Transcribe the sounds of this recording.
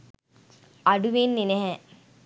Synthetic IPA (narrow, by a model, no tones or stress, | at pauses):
aɖuʋinːineɦɛ